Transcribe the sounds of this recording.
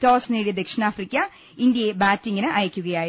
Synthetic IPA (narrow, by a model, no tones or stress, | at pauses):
toːsneːɽid̪ekʂɳaːfrikʲːɐ | ind̪jɐjebaːtːiŋːɐnɨʔɐjɐkʲːuɣɐjaː